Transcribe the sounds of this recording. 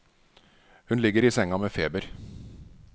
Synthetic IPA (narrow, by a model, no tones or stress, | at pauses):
hʉnlɪɡəɾiːsɛŋɑmeːfeːbəɾ